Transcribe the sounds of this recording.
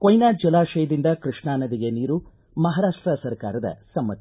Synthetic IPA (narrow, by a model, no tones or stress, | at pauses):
kojnaːd͡ʒɐlaːʃɐjɐd̪ind̪ɐkɾɨʂɳaːnɐd̪iɡe̞niːɾu | mɐɦaːɾaːʂʈɾɐsɐɾkaːɾɐd̪ɐ̰sɐmːɐt̪